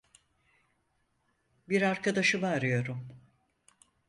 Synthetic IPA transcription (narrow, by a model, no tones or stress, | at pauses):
biɾaɾkʰad̪aʃɯmaːɾɯjo̞ɾum